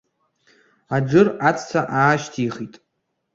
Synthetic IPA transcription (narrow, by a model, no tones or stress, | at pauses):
ad͡ʒɨrat͡sʰt͡sʰaʔaːʃtʰiχitʼ